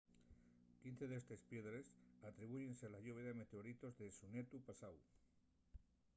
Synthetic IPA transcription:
kin̟θe̞ðest̪espje̞ðɾe̞sat̪ɾiβuʝe̞nselaʝuβeðeme̞t̪e̞o̞ɾit̪o̞zðesune̞t̪upasaw

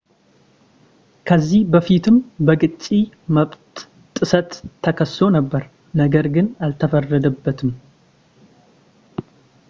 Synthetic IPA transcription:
kʰəzːihbəfit̪ʰɨmbəɡɨt͡ʃʼːi | məβt̪ʼ | t̪ʼːɨsət̪ʰːəkʰəsːo̞nəbːəɾ | nəɡəɾɡɨnalt̪ʰəfərːəd̪əbːət̪ʰɨm

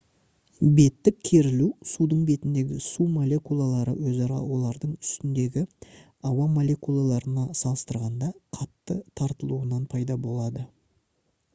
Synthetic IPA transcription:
be̞t̪ːɪkkʲʰe̞ɾɪlusud̪əɴbe̞t̪ɪnd̪e̞ɡʲɪsumo̞lʲe̞kulˠalˠɑɾə̰wɵzɑɾɑ̰wo̞lˠɑɾd̪əɴʏ̥st̪ɪnd̪e̞ɡʲɪ | ɑwɑmo̞lʲe̞kulˠalˠɑɾənɑsɑlˠəst̪əɾʁɑnd̪ɑqʰɑt̪ːət̪ʰɑɾt̪əlˠuənɑnpʰɑjd̪ɑbo̞lˠɑd̪ə

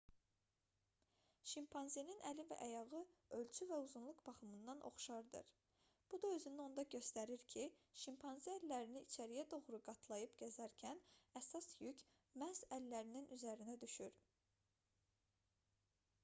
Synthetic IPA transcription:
ʃimpʰɑnzininælivæ̰ʔæjɑɣɯø̞lt͡ʃʰyvæuzunlˠukb̥ɑχɯmɯnd̪ɑnʔo̞̰χʃɑɾd̪ɯ̰ɾ | b̥ud̪ɑø̞zynyo̞nd̪ɑɟø̞st̪æɾiɾcʰiʃimpʰɑnziælːæɾiniːt͡ʃʰæɾijæd̪o̞ɣɾuɡɑt̪ʰlˠɑjɯpɟæzæɾcʰænæsɑsjycʰ | mæzælːæɾininʔyzæɾinæd̪yʃyɾ

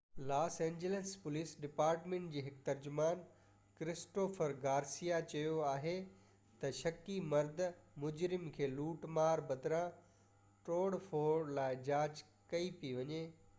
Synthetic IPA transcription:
laːsẽːɲd͡ʑələspʊliːsɖɪpaːɾʈmẽːɳʈ̚d͡ʑiːɦɪkt̪ɐɾd͡ʑʊmaːn | kɾɪsʈoːfəɾɡaːɾsijat͡ɕɐjoaːɦe | t̪ɐʃɐkimɐɾd̪ʱmʊd͡ʑɾɪmkʰeːluːʈmaːɾbɐd̪ɾã | ʈoːɽfoːɾlaːɪd͡ʑaːd͡ʑ | kɐipiʋɐɲeː

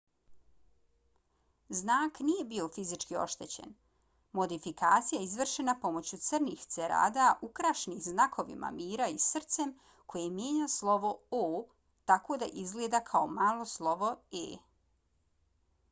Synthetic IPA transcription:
znaːknije̞bio̞fizit͡ʃkio̞̰ʃt̪e̞t͡ɕḛn | mo̞d̪ifikaːt̪sijaizʋr̩ʃenapo̞mo̞t͡ɕut̪sr̩nixt̪seɾa̰ːd̪aʔukɾaʃnixznakʰo̞ʋḭmʔa̰miːɾaisr̩t̪sem | ko̞jemjeːɲaslˠo̞ʋo̞oː | t̪akoːd̪a̰ʔizɡleːd̪akʰaomaːlˠo̞slˠo̞ʋo̞ḛː

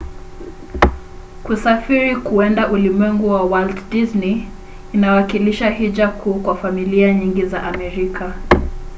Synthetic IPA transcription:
kusafiɾikuɛndaʔulimwɛŋɡuwawaltdizniː | nawakiliʃaɦid͡ʒakʰuːkwafamiliaɲiŋɡizaʔamɛɾikʰa

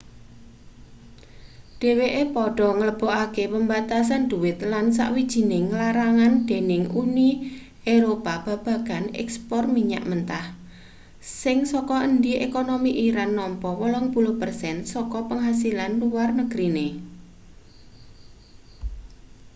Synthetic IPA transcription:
ɖ̥e̤weʔepɔɖ̥ɔ̤ŋələb̥ɔ̤ʔakepəmbat̪as̬and̪̥uwɪt̪lans̬a̰ʔwid̥ʒ̥i̤nɪŋlaɾaŋand̪̥e̤nɪŋʔuni | eɾopab̥ä̤b̥ä̤ɡ̥a̤nɛ̰kspɔrmiɲa̰ʔmənt̪ah | sɪŋsɔkɔənd̪iʔekonomiʔiɾanːɔmpɔwɔlɔŋpulʊhpərsɛnsɔkɔpəŋɦasilanluwarnəɡ̥ɾine

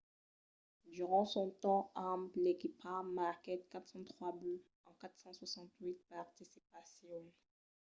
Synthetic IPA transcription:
d̪yʁɑ̃sɔ̃t̪ɑ̃ãmplekipamaʁkɛt̪̚kat̪χsɑ̃t̪χwaby | ɑ̃kat̪χsɑ̃swasɑ̃t̪ɥit̪̚paʁt̪isipasjɔ̃

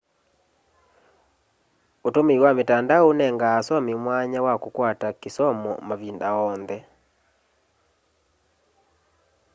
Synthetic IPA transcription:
otomeiwametandaonɛŋɡaːsɔmemwaɲawakokwatakesɔmɔ̰maβindaɔnðɛ

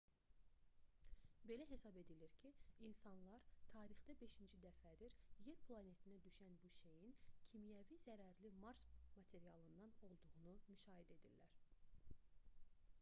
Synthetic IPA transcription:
be̞læɦe̞sɑbe̞d̪iliɾcʰiinsɑnlˠɑɾt̪ʰɑːɾiχd̪æbe̞ʃind͡ʒid̪æfæd̪iɾjeɾpʰlˠɑne̞t̪ʰinæd̪yʃænbuʃejincʰimijævizæɾæɾlimɑɾsmɑt̪ʰe̞ɾijɑlˠɯnd̪ɑno̞lˠd̪uʁunumyʃɑːɦed̪æe̞d̪iɾlæɾ

